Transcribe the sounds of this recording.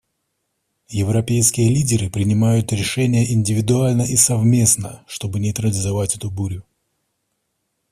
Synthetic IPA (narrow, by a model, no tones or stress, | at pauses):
jɪvɾɐpʲejskʲɪjəlʲidʲɪɾɨpɾʲɪnʲɪmajʊt̪ɾʲɪʂɛnʲɪjəʔɪnʲdʲɪvʲɪd̪ʊalʲnəʔisɐvmʲe̞snəʂt̪o̞bɨnʲɪt̪ɾədʲɪzɐvatʲɛt̪ʊbuɾʲʊ